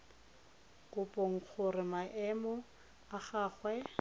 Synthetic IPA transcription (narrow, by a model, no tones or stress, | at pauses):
kʼʊpʼɔŋ̩k͡xʰʊrɪmaʔɛmɔ | aχaːχwɛ